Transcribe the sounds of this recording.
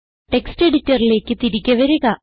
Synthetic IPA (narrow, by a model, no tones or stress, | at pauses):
ʈe̞kste̞ɽitːɐrile̞ːkːɨt̪iɾikʲːɐʋɐɾuɣɐ